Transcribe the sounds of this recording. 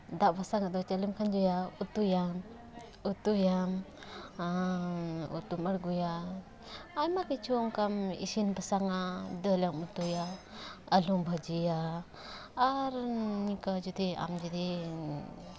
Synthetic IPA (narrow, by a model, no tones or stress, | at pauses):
d̪aʔbasaŋad̪ɔt͡ʃalimkʰand͡ʒɔjaut̪ujam | ut̪ujam | ṵt̪uməɽɡujaː | jmakit͡ʃʰɔŋkamḭsinbasaŋad̪əlamut̪uja | əlumbʱad͡ʒijaː | ɾnikad͡ʒud̪ia̰md͡ʒud̪i